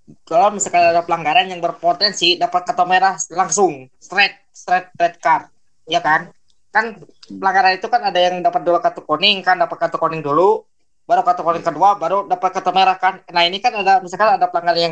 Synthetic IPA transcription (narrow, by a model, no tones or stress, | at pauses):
kalomisalkadaadapəlaŋɡaɾanjaŋbərpot̪ɛnsidapat̪̚kat̪ameɾahlaŋsʊŋst̪ɾɛt̪̚st̪ɾɛt̪̚ɾɛt̪̚kar̚ | jakan | kanpəlaŋɡaɾanit̪ukanadajaŋdapat̪̚dulakat̪ukonɪŋkandapat̪̚kat̪ukonɪŋdulu | baɾukat̪ukonɪŋkəduabaɾudapat̪̚kat̪ameɾahkannainikanadamisalkaadapəlaŋɡaɾanjaŋ